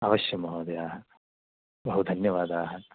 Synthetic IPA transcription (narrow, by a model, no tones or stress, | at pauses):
ɐʋɐʃjɐmɐɦoːd̪ɐjaːɦɐ | bɐɦud̪ʱɐnjɐʋaːd̪aːɦɐ